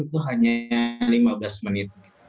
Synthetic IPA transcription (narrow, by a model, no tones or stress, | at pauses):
it̪uɦaɲalimablasmənɪt̪̚ɡi